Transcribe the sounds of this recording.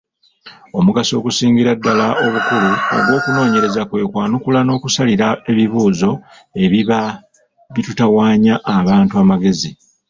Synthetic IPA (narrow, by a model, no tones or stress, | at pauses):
o̞muɡasio̞kusiːŋɡiɾadːalao̞βukuluo̰ɡwo̞ːkuno̞ːɲe̞ɾe̞zakwe̞ːkwaːnukulano̞ːkusaliɾae̞βiβuːzo̞ | e̞βiβa | βitutawaːɲaʔːβaːntuaːmaɡe̞zi